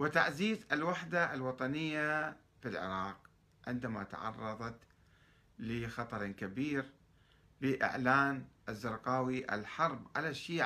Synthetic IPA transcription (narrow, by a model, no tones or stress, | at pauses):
wɪt̪a̰ʕziːzɪlwaħd̪aʔalwɑt̪ˤɑnɪjːa | filʕɪ̰ɾˤɑːq̚ | ʕɪ̰nd̪amat̪a̰ʕɑ̰rˤːɑðˤɑt̪ | lɪxɑt̪ˤɑɾˤkabiːɾ | bɪʔɪ̰ʕlaːnʔazːɪɾˤqɑːwiʔɪ̰lħɑɾˤbʕa̰laʃːiː